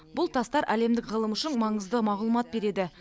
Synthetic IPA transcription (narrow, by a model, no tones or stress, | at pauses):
bʊlˠt̪ʰɑst̪ɑɾʔæle̞md̪ɪkʁəlˠəmʊʃɪnmɑɴəzd̪əmɑʁlˠumɑt̪̚be̞ɾe̞d̪ɪ